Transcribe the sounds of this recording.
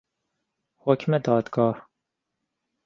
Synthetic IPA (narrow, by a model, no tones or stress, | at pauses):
hɔkʲʰmɛd̪ɑːd̪ɡɑːh